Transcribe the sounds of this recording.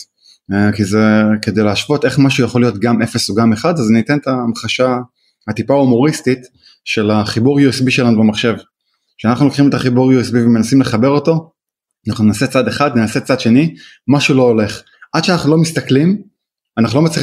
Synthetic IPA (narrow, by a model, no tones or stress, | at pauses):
kizeke̞d̪e̞jleaʃvo̞t̪e̞χmaʃujaχo̞lijo̞tɡame̞fe̞soɡameχad̪aznit̪ent̪amχaʃa | hat̪ipaumo̞ʁist̪it̪ | ʃe̞laχibuʁjuisbiʃe̞lanubemaχʃe̞v | ʃeanaχnulokχime̞t̪aχibuʁjuisbivemenasimleχabe̞ʁo̞to̞ | anaχnunenase̞t͡sad̪eχad̪nenase̞t͡sad̪ʃe̞ni | maʃulo̞ːle̞χ | ʔad̪ʃeanaχnulo̞mist̪aklim | anaχnulo̞mat͡sli